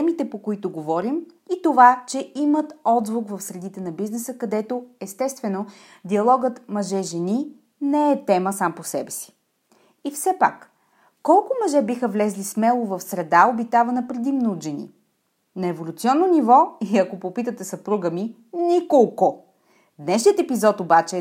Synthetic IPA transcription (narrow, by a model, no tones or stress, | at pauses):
t̪ɛmit̪ɛpokoit̪oɡovɔɾim | it̪ovat͡ʃɛimət̪ɔd̪vokvɐfsɾɛd̪it̪ɛnɐbiznɛsəkɐd̪ɛt̪oɛst̪ɛst̪vɛno | d̪iɐlˠɔɡət̪mɐʒɛʒɛni | nɛɛt̪ɛməsamposɛbɛsi̥ | ifsɛpa̰kː | ɔlˠkʊmɐʒɛbixəvlɛzlismɛlˠovɐfsɾɛd̪aobit̪avɐnəpɾɛd̪imnoʒɛnḭ | nɐɛvolʲut̪siɔnːonivɔiɐkopopit̪ət̪ɛsɐpɾuɡəmi | nikolˠko | d̪nɛʃnʲiət̪ɛpizɔt̪obat͡ʃɛ